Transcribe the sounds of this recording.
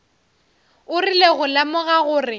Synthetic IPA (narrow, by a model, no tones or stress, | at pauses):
ʊrileɣʊlamʊɣaɣʊːrɪ